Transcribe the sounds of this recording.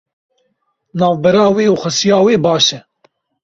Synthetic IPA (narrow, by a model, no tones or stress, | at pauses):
nɑːvbɛɾɑːweːuxɐsijɑːweːbɑːʃɛ